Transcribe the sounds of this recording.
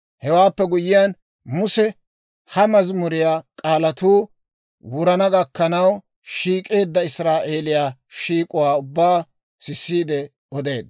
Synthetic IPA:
hɛwaːpːɛɡʊjːɪjɐn | mʊsɛ | hɐmɐzmʊɾɪjaːkʼaːlɐt̪uː | wʊɾɐnɐɡɐkːɐnɐw | ʃiːkʼe̞ːd̪ːɐɪsɾaːʔe̞ːlɪjaːʃiːkʼʊwaːʊbːaː | sɪsːiːd̪ɛ | ɔd̪e̞ːd̪

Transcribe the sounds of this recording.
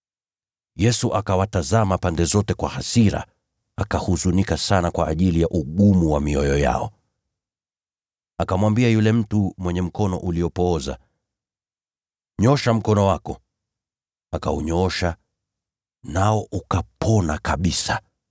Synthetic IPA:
jɛsuʔakawatazamapandɛzɔtɛkwahasiɾa̰ | akahuzunikasanakwaːʄilijaʔuɠumuwamiɔjɔja̰ɔ | akamwambiajulɛm̩tumwɛɲɛm̩kɔnɔ̰ʔuliɔpɔːza̰ | ɲɔʃam̩kɔnɔwakɔ | akauɲɔɔʃa | naɔʔukapʰɔnakaɓisa

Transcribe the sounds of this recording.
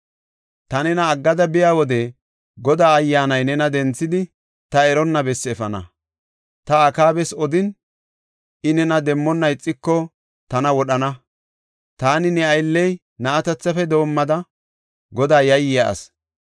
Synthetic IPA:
t̪ɐnɛnɐːɡːɐd̪ɐbɪjaːwɔd̪ɛ | ɡɔd̪aːɐjːaːnɐjnɛnɐd̪ɛnt͡sːɪd̪ɪ | t̪ɐɛɾɔnːɐbɛsːɛfɐnɐ̰ | t̪ɐːkaːbɛsɔd̪ɪn | ɪnɛnɐd̪ɛmːɔnːɐjɪt͡sʼːɪkːɔ | t̪ɐnɐwɔɗɐnɐ | t̪aːnɪnɛɐjlːɛj | nɐːt̪ɐt͡sːɐfɛd̪o̞ːmːɐd̪ɐ | ɡɔd̪aːjɐjːɪjaʔɐ̰s

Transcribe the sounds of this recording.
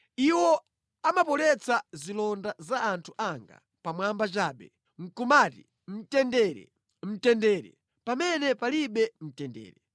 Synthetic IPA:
iwɔ | amapɔlɛt͡sazilɔndazaːntʰu̥ʔaŋɡa̰ | pamwambat͡ʃaːɓɛ̰ | ŋ̩kumaːti | m̩tɛndɛːɾɛ̰ | m̩tɛndɛɾɛ̰ | pamɛnɛpaliɓɛm̩tɛndɛ̰ːɾɛ

